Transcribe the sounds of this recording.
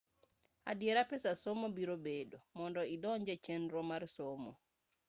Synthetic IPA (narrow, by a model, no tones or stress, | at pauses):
a̰diɛɾapɛsasɔmɔbiɾɔbeːdɔmɔndɔidɔɲd͡ʒɛt͡ʃenɾɔmaɾsɔmɔ̰